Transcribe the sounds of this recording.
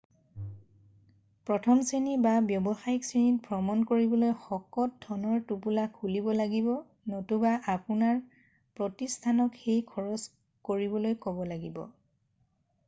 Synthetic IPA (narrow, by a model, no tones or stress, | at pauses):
pɹɔtʰɔmsinibabjɔbɔxajiksinit̚pɹɔmɔnkoɹibɔlojxɔkɔt̚dʰɔnɔɹtupulakʰulibɔlaɡibɔ | notubaʔapunaɹ | pɹɔtistʰanɔkxejkʰɔɹɔs | koɹibɔlojkɔbɔlaɡibɔ̰